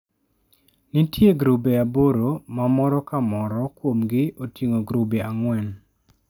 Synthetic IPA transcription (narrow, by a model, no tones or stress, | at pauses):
nitjeɡɾubeaboɾomamɔɾɔkamɔɾɔkwomɡɪʔotiŋoɡɾubeaŋwɛn